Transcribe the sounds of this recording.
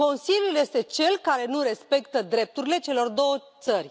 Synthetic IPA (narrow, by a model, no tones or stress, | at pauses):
ko̞nsiljulje̞st̪e̞t͡ʃe̞lkaɾe̞nuɾe̞spe̞kt̪əd̪ɾe̞p̚t̪uɾile̞t͡ʃe̞lo̞rd̪o̞wət̪sərʲ